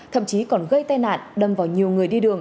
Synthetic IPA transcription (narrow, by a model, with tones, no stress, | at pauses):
t̪ʰə̰˧˨mt͡ɕi˨˦kɔ˨˩nɣə˧jt̪aː˧jna̰ː˧˨nɗə˨˩mvaː˨˩wɲi˨˩əwŋɨ˨˩əjɗi˧ɗɨ˨˩əŋ